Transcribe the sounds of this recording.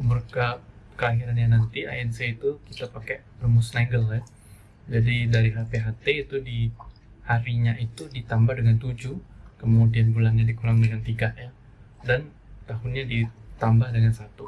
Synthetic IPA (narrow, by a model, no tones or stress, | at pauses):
mərka | kəlaɦiɾanɲanant̪ia̰ɛnseit̪ukit̪apakɛbərmusnaɡəla | d͡ʒadidaɾiɦapeɦat̪eit̪udi | haɾiɲaʔit̪udit̪ambahdəŋant̪ud͡ʒukəmudianbulaŋɲadikuɾaŋdəŋant̪iɡaʔja | dan | t̪aɦʊnɲadit̪ambahdəŋansat̪u